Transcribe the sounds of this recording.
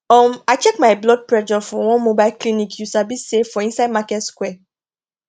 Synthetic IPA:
ɔmaɪt͡ʃɛkmaɪblɔd̚pɹɛd͡ʒɔfɔwɔ̃nmobaɪlklinikʰjusabisːefɔĩnsaɪd̚makɛtskwɛ

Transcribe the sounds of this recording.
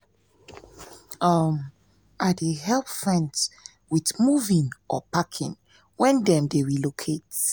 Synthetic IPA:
ʌm | ʔadeɦɛlˠpfɹɛ̃nt | wiθmuvĩŋʔɔpakʰḭ̃ŋ | wɛ̃ndɛ̃mdeɹilokʰet

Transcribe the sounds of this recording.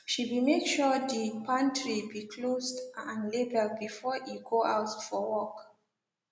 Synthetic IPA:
ʃiwimekʃɔdipʰãntɹibikʰlosdãnlebəlbifɔjuɡoʔaʊtfɔwɔk

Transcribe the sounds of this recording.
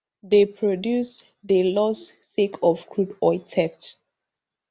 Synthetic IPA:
ðepʰɹɔdjus | ðəlɔsːekʰɔvkʰɹudɔɪtʰɛp̚s

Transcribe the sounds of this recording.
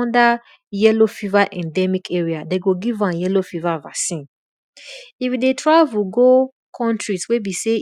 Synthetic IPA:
nda | jɛlofivaʔɛ̃ndɛmikʰɛɹiadeɡoɡivãnjɛlofivava̰sĩn | ifdetʰɹaɪvuɡo | kʰɔ̃ntɹiswebise

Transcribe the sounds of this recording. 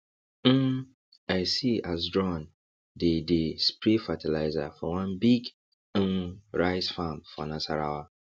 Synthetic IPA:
m̩ | aɪsias̬dɹɔ̃n | dedespɹifatʰilaɪza̰fɔwãnbiɡ̩ | ɹaɪsfãmfɔ̰nãsaɾa̰wa

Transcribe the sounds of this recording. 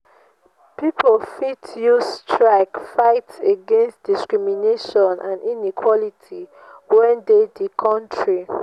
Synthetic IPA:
pipolfitʰjustɹaɪkfaɪtseɡẽnstd̥iskɹimineʃɔ̃nʔãninikʰwɔlitʰi | wɛ̃ndedikʰɔ̃ntʰɹi

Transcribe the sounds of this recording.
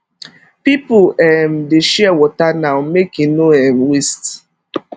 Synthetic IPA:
pipʊɛm̩dɪʃɛɛwɔtanaʊmekinuɛm̩wist

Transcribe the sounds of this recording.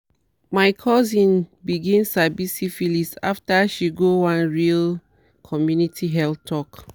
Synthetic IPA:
maɪkʰɔzĩnbiɡĩnsabisifilisa̰ftaʃiɡowãnɹil | kʰɔmjunitʰiɦɛltʰɔk

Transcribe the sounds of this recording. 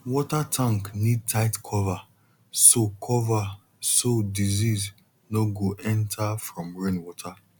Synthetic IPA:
wɔtatʰãŋknid̚tʰaɪtkʰɔva | sokʰɔva | sodiziz | noɡoʔɛ̃ntʰafɹɔ̃mɹẽnwɔtʰa

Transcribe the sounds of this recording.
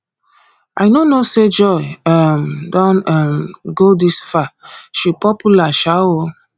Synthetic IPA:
a̰jnonosed͡ʒɔjɛmdɔ̃namɡodisfaʃipɔpʰulaʃawo

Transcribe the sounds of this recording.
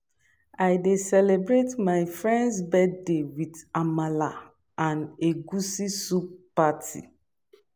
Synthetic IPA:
ajdesɛlebɹetmaɪfɹɛ̃nsbɛddewidamala | ãneɡusisuppatʰḭ

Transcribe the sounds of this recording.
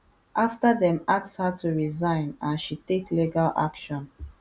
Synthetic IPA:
ʔaftadɛ̃makshatʰuɹizãɪ̃nãnʃitekliɡala̰kʃɔ̃n

